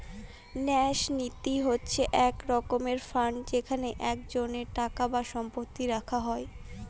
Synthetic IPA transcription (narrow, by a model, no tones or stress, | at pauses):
nɛʃnit̪iɦotːɕʰeʔɛkɾɔkomeɾfɾaɳɖd͡ʑekʰaneʔɛk̚d͡ʑoneɾʈakabaʃɔmpot̪ːiɾakʰaɦɔe